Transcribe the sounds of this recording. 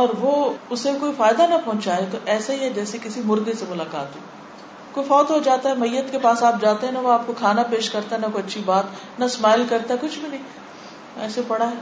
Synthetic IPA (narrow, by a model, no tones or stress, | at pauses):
ɔːɾʋoʊsekoːifaːɪd̪anɐpɔ̃ɦʊ̃t͡ʃaɦɛt̪oʔɛːsaɦiɦɛd͡ʒɛːsekɪsimʊɾɡ̪esemʊlaːka̰ːt̪ɦɛ | koːifɔːt̪ɦod͡ʒaːt̪aɦɛmɐjːət̪kepaːsaːp̚d͡ʒaːt̪eɦɛ̃nɐʋoaːp̚kokʰaːnapeːʃkɐɾt̪aɦɛnɐkoɐtːʃʰibaːt̪ | nɐsmaːɪlkɐɾt̪aɦɛkʊt͡ʃʰbʱinɐɦĩ | ɛ̰ːsepɐɽaɦɛ